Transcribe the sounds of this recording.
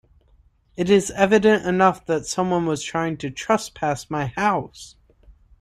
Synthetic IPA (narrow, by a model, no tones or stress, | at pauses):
ɨɾɪzɛvɨɾɨ̃ntɨnʌfðɨtsʌ̃mwʌ̃nwʌz̥tʰɹ̥aɪɪ̃ŋtʰɨtʰɹ̥ʌspʰæsmaɪhaʊs